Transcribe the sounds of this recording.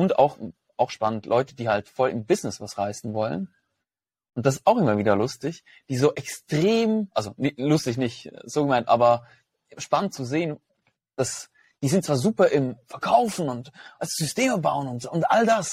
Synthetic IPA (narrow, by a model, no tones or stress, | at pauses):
ʔʊnta̰ʊx | ʔaʊxʃpanəntʰlʔɔʏtəd̥iːhaltfɔlɪ̰mbɪznɪsv̥asʁaɪsn̩vɔlə̰n | ʔʊnt̚d̥as̬ɪstaʊxʔɪmɐviːdɐlʊstɪç | d̥iːzoːʔɛkstʁ̥eːmʔalzonɪlʊstɪç̬nɪçtz̥oːɡəmaɪntʔa̰ːbɐ | ʃpanənt̚t͡suzeːən | d̥as | d̥iːzɪntt͡sv̥aːɐzuːpɐʔɪmfɛɐkʰaʊfn̩ʊntʔalsz̥ʏsteːməbaʊənʊntːʊntʔaldas